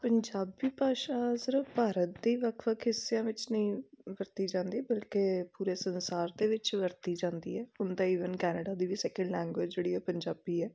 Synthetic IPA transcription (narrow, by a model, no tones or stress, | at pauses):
pəɲd͡ʒaːbiːpaːʃaːzəɾəpaːɾət̪̚d̪iːʋəkʰʋəkʰɪsɪjãːʋɪt͡ʃnəĩːʋəɾt̪iːd͡ʒãːnd̪iːbəlkeːpuːɾeːsənsaːɾd̪eːʋɪt͡ʃʋəɾt̪iːd͡ʒãːnd̪ḭːɛːʊnd̪ãːiːʋənkɛːnəɖaːd̪iːʋiːsɛːkə̃ɳɖlɛ̃ːŋɡʋɪd͡ʒd͡ʒeːɽiːɛːpəɲd͡ʒaːbiːɛː